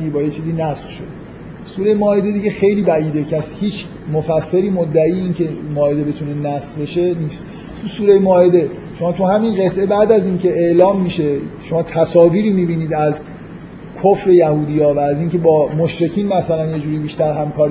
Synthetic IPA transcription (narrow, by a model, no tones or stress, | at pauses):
ibɒːjet͡ʃʰiːziːnæsχʃod̪e | suːɾejmɒːed̪e̞d̪iɟexe̞jliːbæʔiːd̪e̞cʰæshiːt͡ʃʰ | mofæsːeɾiːmod̪ːæiːeiːncʰe̞mɒːed̪ebe̞t̪ʰunenæsbe̞ʃe̞niːst̪ | t̪ʰusuːɾejmɒːed̪e̞ | ʃo̞mɒːt̪ʰuhæminɢe̞t̪ʰʔe̞bæd̪æziːncʰe̞eʔlɒːmːiʃe̞ʃo̞mɒːt̪ʰæsɒːviːɾiːmibiːniːd̪æz | kʰofɾe̞jæhuːd̪ijɒːvæːziːncʰe̞bɒːmoʃɾe̞cʰiːnmæsælænje̞d͡ʒuːɾiːbiːʃt̪æɾɦæmkʰɒːɾi